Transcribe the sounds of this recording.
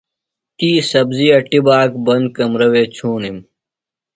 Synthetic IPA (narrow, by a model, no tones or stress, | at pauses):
t̪iːsɐbzijɐʈibaːk̚bɐnd̪̚kɐmɾɐweːt͡ɕʰuːnim